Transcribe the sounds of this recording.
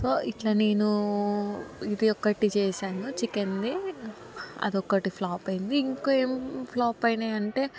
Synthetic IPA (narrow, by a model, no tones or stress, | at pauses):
soːʔiʈlɐːne̞ːnu | id̪iɔkːɐʈit͡ʃɛːʃaːnut͡ʃikend̪i | ɐ̰d̪ɔkːɐʈipʰlaːpɐjind̪iːŋkoːe̞ːmpʰlaːpɐjneːɐɳʈe̞ː